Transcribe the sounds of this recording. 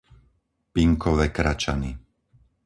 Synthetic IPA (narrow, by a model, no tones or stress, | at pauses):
piŋkɔʋɛːkɾat͡ʃani